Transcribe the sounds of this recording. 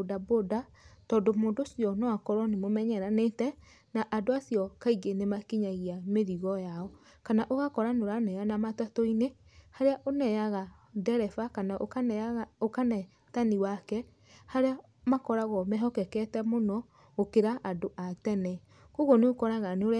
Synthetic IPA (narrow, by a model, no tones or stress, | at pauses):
daboda | tɔndomoːndosjɔnɔakɔɾɔnemomɛɲɛɾanetɛ | naʔadoasiɔkaiɡenemakiɲaɣiameɾiɣɔjaɔ | kanaʔoɣakɔɾanoɾanɛjanamatwatɔine | haɾeaʔonɛjaɣadɛɾɛfakanaʔ | okanɛ | taniwakɛ | haɾea | makɔɾaɣɔmɛɦɔkɛkɛtɛmonɔ | okeɾaʔadoʔatɛnɛ | koɣoneokɔɾaɣaneoɾ